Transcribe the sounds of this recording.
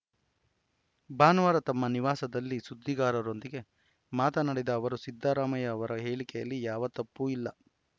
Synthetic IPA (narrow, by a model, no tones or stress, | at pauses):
baːnʋaːɾɐt̪ɐmːɐniʋaːsɐd̪ɐlːisud̪ːiɡaːɾɐɾo̞nd̪iɡe̞ | maːt̪ɐnɐɽed̪ɐːʋɐɾusid̪ʱːaːɾaːmɐjɐːʋɐɾɐɦe̞ːɭikɛjɐlːijaːʋɐt̪ɐpːuilːɐ